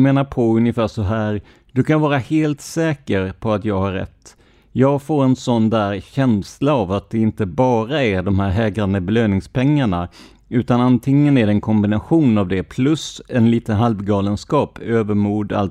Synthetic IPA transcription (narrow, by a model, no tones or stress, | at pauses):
meːnaɾpʰɔɵnjɪfæːʂɔɦæːɾ | d̪̥ɵkʰanvɑːɾaheːlt̪sɛːkəɾpʰɔat̪jɑːɡhaɾːɛ̰t̪ː | jɑːɡfoːɾɛnsɔnd̪æːɾɕɛnslaːvat̪̚d̪ɛɪnt̪əbɑːɾaæɖɔmhæːɾɦɛːɡɾand̪əbɛløːnɪŋspʰɛŋːaɳa | ʉ̟ːt̪anant̪ʰɪŋːənæɖɛnkʰɔmbɪnaɧuːnavd̪ɛpʰlɵsɛnliːt̪ənɦalvɡɑːlənskɑːpʰøːvəɾmuːd̪a̰l